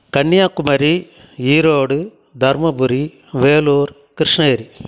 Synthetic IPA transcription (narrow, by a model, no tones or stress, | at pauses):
kɐɳːɪjaːkːumɐɾi | iːɾoːɽɯ | d̪ʱɐɾmɐbuɾi | ʋeːluːɾ | kɪɾɪʂɳɐːɾi